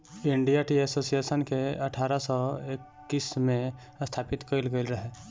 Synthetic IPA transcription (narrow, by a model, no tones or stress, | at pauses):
ɪ̃ɳɖijaʈiɛsoːsijeːsənkeɐʈʰaːɾasɔekːismẽ | st̪ʰaːpɪt̪kəɪlɡəɪlɾɐɦeː